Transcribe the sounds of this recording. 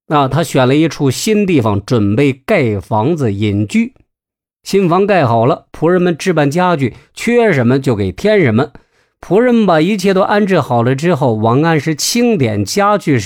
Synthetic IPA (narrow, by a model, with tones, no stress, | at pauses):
ə˧t̪ʰa˥ɕɥɛ˨˩nlə˦i˥˧ʈ͡ʂʰu˥˩ɕi˥nt̪̬i˥˩fɑ˨˩ŋʈ͡ʂwə˨˩npe˥˧ɪka˥˩ɪfɑ˧˥ŋd͡z̩˧ji˨˩nt͡ɕy˥˩ | ɕi˥nfɑ˧˥ŋka˥˩ɪxɑ˨˩ʊlə˦pʰu˧˥ɻə˧˥nmə˧nʈ͡ʂɻ̩˥˧pa˥˩nt͡ɕja˥t͡ɕy˥˩t͡ɕʰɛ˥ɛ˧˥ʂə˧˥nmə˧t͡ɕjo˥˩ʊke˨˩ɪt̪ʰjɛ˥nʂə˧˥mə˧ | pʰu˧˥ɻə˧˥nmə˧ba˨˩i˧˥t͡ɕʰjɛ˥˩t̪o˥ʊʔa˥˧nʈ͡ʂɻ̩˥˩xɑ˨˩ʊlə˦ʈ͡ʂɻ̩˥xo˥˩ʊwɑ˧˥ŋa˥˧nʂɻ̩˥˧t͡ɕʰi˥ŋt̪jɛ˨˩nt͡ɕja˥t͡ɕy˥˧